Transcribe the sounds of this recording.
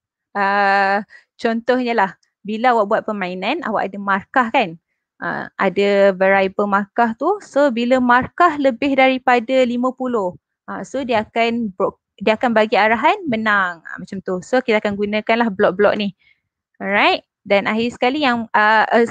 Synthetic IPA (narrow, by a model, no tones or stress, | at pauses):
ə | t͡ʃɔnt̪ɔhɲəlah | biləawaʔ̚buat̪̚pəmainana̰wa̰ʔadəmarkahkan | ʔa̰a̰dəvəɾajbəmarkaht̪usobiləmarkahləbɪɦdaɾipadalimə̃puloh | asodiakanbɔ | diəakanbaɡiaɾaɦanmənaŋa̰mat͡ʃamt̪usokit̪akanɡunə̃kanlahblɔʔ̚blɔ̰ʔ̚nih | rajt̚ | danaɦisə̥kalijaŋə